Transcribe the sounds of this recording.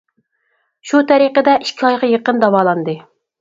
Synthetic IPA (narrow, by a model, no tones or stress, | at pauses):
ʃut̪ʰɛɾiqəd̪ɛʔiʃkʲʰiɑjʁɑjəqənd̪ɑwɑːlˠɑnd̪ɨ